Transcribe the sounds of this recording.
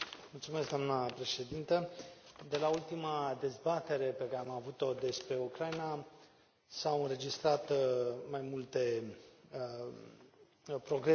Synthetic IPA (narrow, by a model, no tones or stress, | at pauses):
mult̪sumeskɡd̪oamnəpɾe̞ʃe̞d̪int̪əd̪e̞lault̪imad̪e̞zbat̪e̞ɾe̞pekaɾeamavut̪o̞d̪e̞spɾe̞ukɾaina | sawɨnɾe̞d͡ʒist̪ɾat̪majmult̪e̞ | pɾo̞ɡɾe